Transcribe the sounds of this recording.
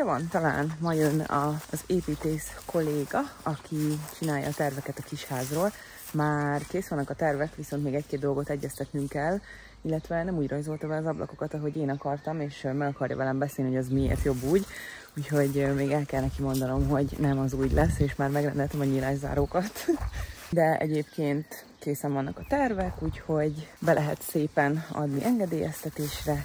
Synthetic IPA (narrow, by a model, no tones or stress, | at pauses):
ɛvɒnt̪ɒla̰ːnmɒjønɒ̰zeːpiːt̪eːskʰo̞lːeːɡɒɒkʰit͡ʃinaːjɒ̰ːt̪ɛrvɛkɛt̪ɒkiʃhaːzroːl | maːrkeːsulnɒkɒt̪ɛrvɛkʋiso̞nt̪meːɡɛckeːd̪d̪o̞lɡo̞t̪ɛɟːɛst̪ɛt̪nyŋkɛlː | ilːɛt̪ʋɛnɛmuːɟro̞ɲzo̞lt̪ɒbɛɒzɒblʔɒ̰ko̞kɒt̪ɒɦo̞ɟeːnɒkɒrt̪ɒmeːʃmɛɡɒkɒrjɒ̰vɛlɛmbɛseːlniɦojɛzmiḛːrt̪jo̞bːuːɟ | uːcho̞ɟmeːɡɛlkɛlnɛkimo̞nd̪ɒno̞mɦo̞ɟnɛmɒzuːɟlɛsːeːʃmaːrmɛɡrɛ̰nd̪ɛlt̪ɛmɒɲilaːʒza̰ːɾoːkɒt̪ | d̪ɛɛ̰ɟeːpkeːnt̪ | keːsɛɱvɒnːʔɒkɒt̪ɛrvɛkuːcho̞ɟbɛlʔɛɦɛ̰t̪seːpɛnɒ̰d̪niʔɛŋɡɛd̪eːjɛ̰st̪ɛt̪eːʃrɛ